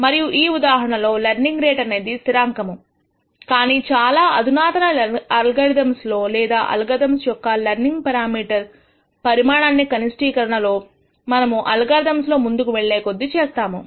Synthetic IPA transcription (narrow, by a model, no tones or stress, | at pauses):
mɐɾijuʔiːud̪aːɦɐɳɐlo̞ːlɐɾniŋɡɾeːʈɐne̞ːd̪ist̪iɾaːŋkɐmu | kaːniːt͡ʃaːlaːʔɐd̪ʱunaːt̪ɐnɐɐɐlɡɐɾd̪ɐmslo̞ːlɛːd̪a̰ːʔɐ̰lɐɡɐd̪ɐmsjɔkːɐlɐɾniŋɡpɐɾaːmiːʈɐɾ | pɐɾimaːɳaːnːikɐnisʈiːkɐɾɐɳɐlo̞ː | mɐnɐmuʔɐlɡɐɾd̪ɐmslo̞ːmund̪ukuʋeɭːeːkod̪ːit͡ʃeːst̪aːmu